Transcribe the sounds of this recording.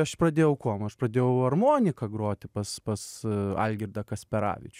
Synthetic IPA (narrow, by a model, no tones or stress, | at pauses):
ɐʃprɐd̪ʲeːjɛʊkoːmɐʃprɐd̪ʲeːjɛʊɐrmoːnʲɪkɐɡɾoːt̪ʲɪpɐspɐsɐ̰lʲɡʲɪrd̪ɐkɐsʲpʲɛɾɑ̰ːʋʲɪ̰t͡ʃʲʊ